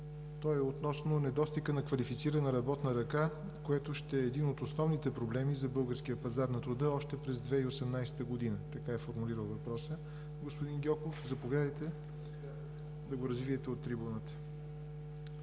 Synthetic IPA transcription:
t̪ɔjɛot̪nɔsnonɛd̪ɔst̪ikənɐkvɐlifit̪siɾənɐɾɐbɔt̪nəɾɐka | koɛt̪oʃt̪ɛɛːd̪inot̪osnɔvnit̪ɛpɾoblɛmizɐbɤlˠɡəɾsk̟ijəpɐzaɾnɐt̪ɾʊd̪əɔʃt̪ɛpɾɛzd̪vɛiosɛmnajsɛ̥t̪əɡod̪inət̪ɐkaɛfoɾmuliɾəlˠvɐpɾɔsə | ɡospʊd̪inɡʲɔkofzɐpovʲad̪əjt̪ɛ | d̪ɐɡoɾɐzviɛt̪ɛot̪ːɾibunət̪ə̥

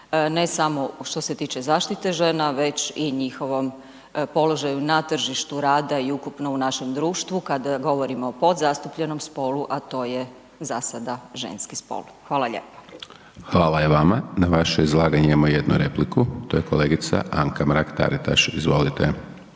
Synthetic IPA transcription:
ne̞samoʃt̪o̞se̞t̪iːt͡ʃe̞zaːʃt̪it̪e̞ʒenaʋe̞t͡ɕiɲixo̞ʋo̞m | po̞lo̞ʒajunat̪r̩ʒiʃt̪uɾaːd̪aiukupno̞unaʃe̞md̪ɾuːʃt̪ʋukad̪aɡo̞ʋo̞ɾimoːpo̞d̪zast̪upʎeno̞mspo̞luʔat̪o̞ːje | zasad̪aʒḛnskispo̰lˠxʋaːlaʎḛːpḁ | xʋaːlajeʋamanaʋaʃoizlˠaːɡaɲemojed̪nṵɾe̞plikut̪ojekoleːɡit̪sa̰ʔaŋkamɾakt̪a̰ɾit̪a̰ʃizʋo̞̰lit̪e

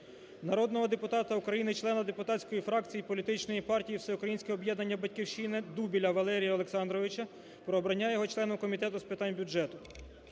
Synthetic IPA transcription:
nɐɾɔd̪nɔɦɔd̪epʊt̪ɑt̪ɐukɾɐjinɪt͡ʃlˠɛnɐd̪epʊt̪ɑsʲkɔjifɾɑkt͡sʲijipɔlʲit̪ɪt͡ʃnɔjipɑrtʲijiwsɛʊkɾɐjinsʲkʲɛɔbjɛd̪nɐnʲːɐbɐtʲkʲiwʃinɪd̪ubʲilʲɐʋɐlˠɛɾʲijɐɔlˠeksɑnd̪ɾɔʋɪt͡ʃɐ | pɾɔːbɾɐnʲːajɔɦɔt͡ʃlˠɛnʊkɔmʲit̪ɛt̪ʊspɪt̪ɑnʲbʲʊʒɛt̪ʊ

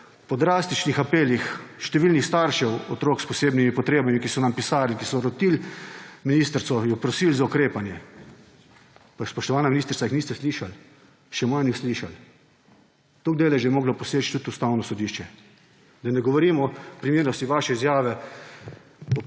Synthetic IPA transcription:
pɔd̪ɾast̪it͡ʃnixapeːlixʃt̪ɛʋilnixst̪aɾʃɛwɔt̪ɾoːkspɔseːbnimipɔt̪ɾeːbamikisɔnampisaːɾlikisɔɾɔt̪ilminiːst̪ɾt̪sɔjɔpɾɔsiːlzaukɾeːpanjɛ | paspɔʃt̪ɔʋaːnaminist̪əɾsaixniːst̪ɛsliːʃal | ʃɛmanixsliːʃal | t̪oːɡ̚d̪eːlajʒeɛmoːɡlɔpɔseːt͡ʃt̪ut̪ust̪awnɔsɔd̪iːʃt͡ʃɛ | d̪anɛɡɔʋɔɾiːmɔpɾimeːɾnɔst̪iʋaʃɛizjaːʋɛ | ɔ

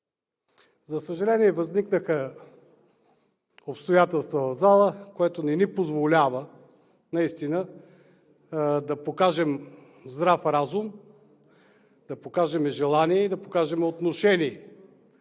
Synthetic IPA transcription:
zɐsəʒɐlɛniɛvɐzniknəxə | opst̪ojat̪ɛlˠst̪vonɐzalˠəkoɛt̪onɛnipozvolʲavə | nɐist̪inə | d̪ɐpokaʒɛm | zd̪ɾafɾazum | d̪̥ɐpokaʒɛmɛʒɛlˠaniɛid̪ɐpokaʒɛmɛot̪noʃɛniɛ

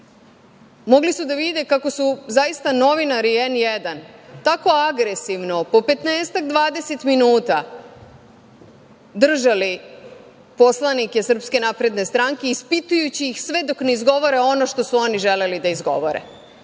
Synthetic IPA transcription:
mo̞ɡlisud̪aʋid̪e̞kako̞suzajist̪ano̞ʋinaɾienjed̪ant̪ako̞aɡɾesiʋno̞po̞pe̞t̪neːst̪aɡd̪ʋaːd̪e̞set̪minuːt̪a | d̪r̩ʒali | po̞slˠanikesr̩pske̞naːpɾe̞d̪ne̞st̪ɾaŋke̞ispit̪ujut͡ɕiːxsʋe̞d̪o̞kneizɡo̞ʋo̞ɾeo̞no̞ʃt̪o̞suo̞niʒe̞le̞lid̪aizɡo̞̰ʋo̰ɾḛ

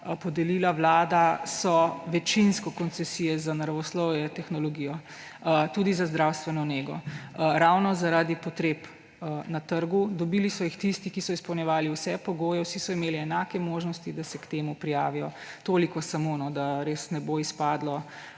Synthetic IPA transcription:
pɔd̪ɛliːlawlaːd̪asɔʋɛt͡ʃinskɔkɔnt̪sɛsijɛzanaɾaʋɔslɔwjɛt̪ɛxnɔlɔɡijɔ | t̪ud̪izazd̪ɾawst̪ʋɛnɔneːɡɔ̰ɾawnɔzaɾaːd̪ipɔt̪ɾeːp | nat̪əɾɡud̪ɔbiːlisɔixt̪ist̪ikisɔispɔwnjɛʋaːliwsɛpɔɡoːjɛwsisɔimeːliɛnaːkɛmoːʒnɔst̪id̪asɛkt̪eːmupɾijaːʋijɔt̪oːlikɔsamonɔd̪aɾesnɛboispaːd̪lɔ

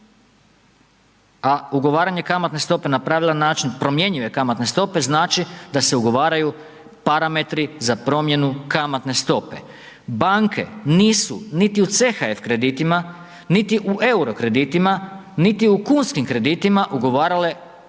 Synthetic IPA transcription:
auɡo̞ʋaːɾaɲe̞kamat̪ne̞st̪o̞pe̞napɾaːʋilˠanaːt͡ʃinpɾo̞mje̞ɲiʋe̞kamat̪ne̞st̪o̞pe̞znaːt͡ʃid̪ase̞uɡo̞ʋaːɾaju | paɾame̞t̪ɾizapɾo̞mje̞nukamat̪ne̞st̪o̞pe̞̰ | baŋkʰe̞̰niːsunit̪iut̪sexae̞fkɾe̞d̪it̪ima | nit̪iʔuʔeuɾokɾe̞d̪it̪imanit̪iukuːnskimkɾe̞d̪iːt̪imaʔuɡo̞ʋaːɾale̞

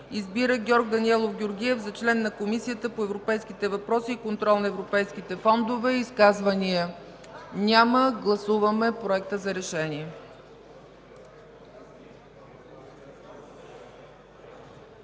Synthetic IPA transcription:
izbiɾəɡʲɔɾɡ̚d̪ɐniɛlˠofɡʲioɾɡʲiɛvzɐt͡ʃlɛnːɐkomisijət̪əpoɛvɾopɛjskit̪ɛvɐpɾɔsiːkont̪ɾɔlˠnɐɛvɾopɛjskit̪ɛfɔnd̪ovɛiːskazvəniə | nʲaməɡlˠɐsuvəmɛpɾoɛk̚t̪əzɐɾɛʃɛnʲiɛ

